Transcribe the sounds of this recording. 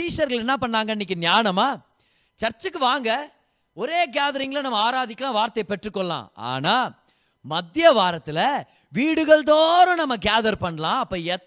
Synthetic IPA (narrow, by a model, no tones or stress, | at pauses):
iːʂɐɾɣɐɭɛnːapɐɳːaːŋɡɐnːɪk̬ːɯnjaːnɐmaː | t͡ʃɐɾt͡ʃːɯkːɯʋaːŋɡɐ | ɔɾeːɡaːðɐɾɪŋɡɐɭɐnɐmːɐaːɾaːðɪkːɐlãːʋaːɾt̪ːɐjpɛʈːrɯkːɔɭːã̰ːa̰ːnaː | mɐd̪ɪjɐʋaːɾɐt̪ːɪlɐ | ʋiːɽɯɣɐɭd̪oːɾʊ̃nɐmːɐɡaːðɐɾpɐɳːɐlãːɐpːoːɛ